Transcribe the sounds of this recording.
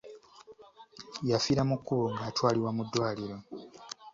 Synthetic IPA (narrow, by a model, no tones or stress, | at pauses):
jafiɾamukːuβuŋɡaːtwaːliwamudːwaːliɾo̞